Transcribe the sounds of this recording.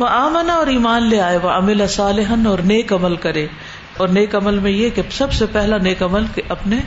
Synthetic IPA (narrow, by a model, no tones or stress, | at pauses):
ʋɐaːmənaɔːɾiːmaːnleaːeʋɐɐmɪlasaːlɪɦənɔːɾneːkɐməlkɐɾẽː | ɔːɾneːkɐməlmẽjekesɐbsepɛɦlaneːkɐməlkeɐpne